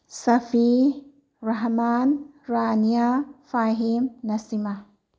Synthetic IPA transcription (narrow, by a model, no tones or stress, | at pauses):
sɐfi | ɾɐɦman | ɾanijafaɦimnɐsima